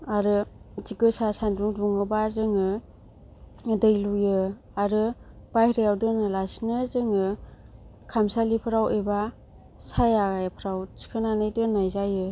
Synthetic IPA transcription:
aɾɯziɡɯsasandɾuŋduŋɯbazɯŋɯ | dɯjlujɯ | aɾɯb̥ajɾeawdɯnalasinɯzɯŋɯ | kʰamsalipʰɯɾaweba | sajaɡajpʰɾawsi̥kʰananɯjdɯnajzajɯ

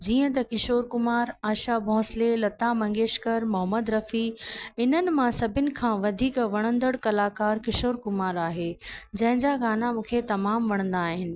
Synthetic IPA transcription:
d͡ʑiːə̃t̪ɐkɪʃoːɾkʊmaːɾaːʃabʱɔ̃ːslelɐt̪amɐ̃ŋɡeːʃkəɾmʊɦəməd̪ɾɐfiɪn̤ənɪ̆mãsɐbʱɪnɪ̆kʰãːʋɐd̪ʱiːkʋɐɽ̃ə̃nd̪əɽkɐlaːkaːɾkɪʃoːɾkʊmaːɾaːɦeːd͡ʑɐ̃ɦɪ̃ɲd͡ʑaɡaːnamũːkʰet̪ɐmaːmʋɐɽ̃ə̃nd̪aːɦɪnɪ̆

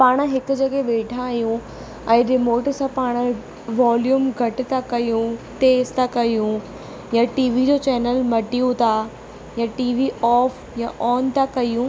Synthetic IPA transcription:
paːɽ̃ɦɪkʊ̆d͡ʑɐɠeɓeːʈʰãijũ | ɛ̃ːɾɪmoːʈsãpaːɽ̃̆ | ʋaːljuːmɡʱɐʈ̆t̪ʰakɐjũt̪eːzt̪ʰakɐjũ | jãʈiːʋid͡ʑoːt͡ɕɛːnəlmɐʈijũt̪ʰa | jaʈiːʋiɔːf | jãʔɔːnt̪ʰakɐijũ

